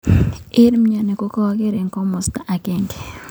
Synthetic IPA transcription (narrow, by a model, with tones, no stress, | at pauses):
ɪ˦ɾm˦ɲa˨ne˨ko˦kɔ˦a˦ke˦ɾe˨ŋkɔ˦mo˨sta˨ʔa˨ke˦ŋɡe